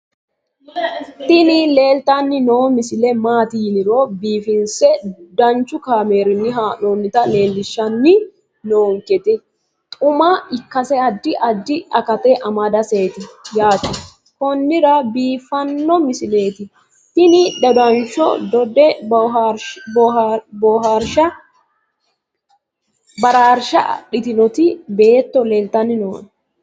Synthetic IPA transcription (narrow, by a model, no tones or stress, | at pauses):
t̪ɪnɪle̞ːlt̪ɐnːɪnoːmɪsɪlɛmaːt̪ɪjɪnɪɾɔbiːfɪnsɛd̪ɐnt͡ʃːʊkaːme̞ːɾɪnːɪɦaːnonːɪt̪ɐle̞ːlːɪʃːɐnːɪ | noːŋkɛt̪ɛ | t̪ʼʊmɐɪkːɐsɛɐd̪ːɪʔɐd̪ːɪɐkɐt̪ɛʔɐmɐd̪ɐseːt̪ɪjaːt̪ɪ | kɔnːɪɾɐbiːfɐnːɔmɪsɪle̞ːt̪ɪ | t̪ɪnɪᶑɛd̪ɐnt͡ʃːɔ̰d̪ɔd̪ɛ | bɔɦaɾʃɐ | bɐɾaːɾʃɐ̰ɗɪt̪ɪnɔt̪ɪbe̞ːt̪ːɔleːlt̪ːɐnːɪnoːn